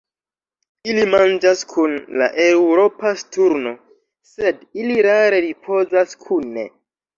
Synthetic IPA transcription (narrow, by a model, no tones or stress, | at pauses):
ilimand͡ʒaskʰunla̰ʔe̞wɾo̞pastuɾno̞ | se̞diliɾaɾe̞ɾipʰo̞zaskʰunḛ